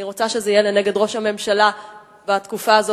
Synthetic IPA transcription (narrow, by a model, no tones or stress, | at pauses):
iʁot͡saʃe̞zeijeleneɡe̞dʁo̞ʃhame̞mʃala | veat̪kufaːzo